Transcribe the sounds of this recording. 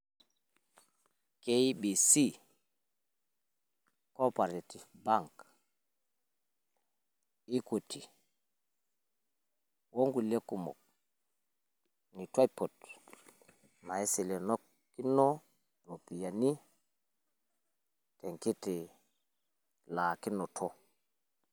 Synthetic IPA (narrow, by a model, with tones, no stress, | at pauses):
ke˦i˦bi˨si˦ | ko˦pa˨ɾe˨ti˨fba˦ŋk | i˦ko˨tʰi˨ | wo˦ŋɡu˨le˦ku˨mɔ̰˨k̚ | ni˨twa˦po˨t | ma˨e˦si˨le˨nɔ˦k | kːi˦nɔ˦ | no˨pi˨ja˨ni˦ | te˨ŋki˦ti˨ | la˨ki˦no˨tʰo˦